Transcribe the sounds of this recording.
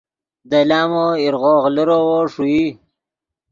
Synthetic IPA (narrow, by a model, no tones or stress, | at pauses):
d̪alaːmoiɾɣoːɣləɾowoʂui